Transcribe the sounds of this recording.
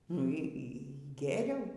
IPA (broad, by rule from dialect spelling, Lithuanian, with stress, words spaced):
nʊ ˈiː ˈiː ˈɡʲeːrʲɛʊ